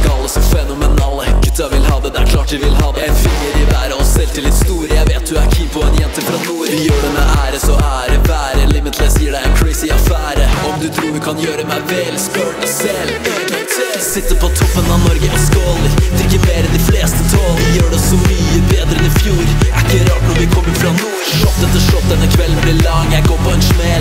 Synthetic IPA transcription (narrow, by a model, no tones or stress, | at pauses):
ɡɑlːəsɔfɛnʊmɛnɑːlːəɡʉt̪ːɑʋɪlhɑːd̪əd̪ɛæ̰ɾkʰlɑːʈɪʋɪlhɑːd̪ɛfiəɾɪʋæːɾəɔsɛlt̪ʰɪld̪ɛst̪uːɾəjæɪʋeːt̪̚d̪ʉæɾkʰiːpɔɛnjɛnt̪əfɾɑnuːɾjøːɖɛmɛæɾɛsɔæɖɛbæːɾəlɪmɪt̪lɛsiːəɖæɪɛnkʰɾɛɪsɪɑfæːɾəɔmd̪ʉt̪ʰɾuːɾʋɪkʰɑnjøːɾəmɛɪʋɛːlspøːʈsɛl | sɪt̪ːəpʰɔt̪ʰɔpːənɑnɔɾɡəʔɔskoːləd̪ɾɪkːəmeːɾəɛnd̪ɪfleːst̪ət̪ʰɑːljøːɖɛsɔmyːəbeːd̪ɾəɛnɪfjuːɾæɪkːəɾɑːnɔɾʋɪkʰɔmːəɾfɾɑnuːɾʂɔp̚ːd̪ɛt̪ːəʂɔp̚ːd̪ɛnːəkʰʋɛlːən̩blɪlɑŋːjæɡoːɾpʰɔɛnʂmɛl